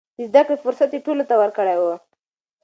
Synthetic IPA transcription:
d̪əzd̪akɽefʊɾsat̪jeʈolot̪awəɾkəɽajwə

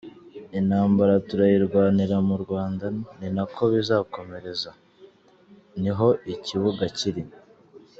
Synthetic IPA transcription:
inhaːmbaɾatuɾajiɾɡwaːniɾamuɾɡwaːndaninakʰo̞βizaːko̞me̞ɾe̞za | niɦo̞iciβuɡaciɾi

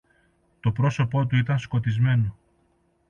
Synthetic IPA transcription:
t̪o̞pɾo̞so̞po̞t̪uit̪ɐnsko̞t̪izme̞no

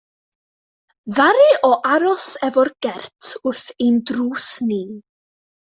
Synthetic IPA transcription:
ðaɾɨɔʔaɾɔsɛvɔrɡ̥ɛrtʰʊrθendruːsniː

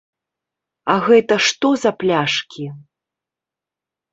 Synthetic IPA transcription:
ɐɣɛt̪ɐʂt̪ɔzɐplʲaʂkʲi

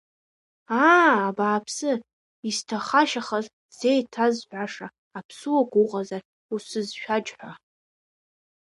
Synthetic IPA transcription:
aːbaːpʰsɨ | istʰaχaʃaχaz | z̥ejtʰazħʷᶣaʂa | apʰsɨwaɡʷʼʊʁʼazar | usɨzʃᶣad͡ʒʼħʷa

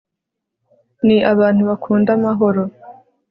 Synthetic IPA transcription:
niʔaβaːn̥huβakʰuːndamaɦo̞ɾo̞

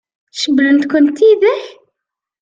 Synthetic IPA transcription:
ʃəblənt̪kʷʊnt̪iðəħ

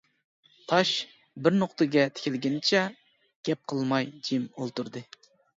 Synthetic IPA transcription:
t̪ʰɑʃ | bɪɾnoqt̪ʰɨɡʲɛt̪ʰɪ̥kʲʰɪlɡʲɪnɪt͡ʃʰɛ | ɡ̥ʲɛp̚qʰəlˠmɑjd͡ʒimolˠt̪uɾd̪ɨ

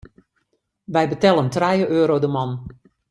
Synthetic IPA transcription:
ʋɛjbətɛlˠəntrɛjəʔøːɾowdəmɑn

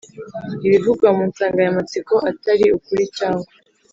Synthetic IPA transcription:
iβivuɡwamuːnsaːŋɡajamat͡siko̞ʔataɾiukuɾicaːŋɡa

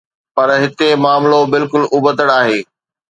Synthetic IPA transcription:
pɐɾɦɪt̪emaːmlobɪlkʊlʊbət̪əɽaːɦeː

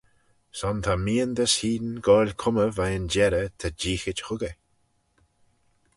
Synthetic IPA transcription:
sɔnt̪ʰamiːənd̪əshiːd̪nɡɔːlʲkʰʊməvajənd͡ʒɛɾət̪ʰad͡ʒiːxɪt͡ʃxʊɡə

